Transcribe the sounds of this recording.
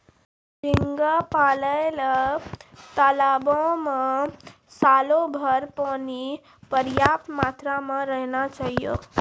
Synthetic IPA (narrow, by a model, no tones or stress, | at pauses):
ɾiŋɡapaːlələ | t̪alabõmə̃ | salobʱəɾpani | pəɾjap̚t̪mat̪ɾamə̃ɾəɦnat͡ʃaɦijo̰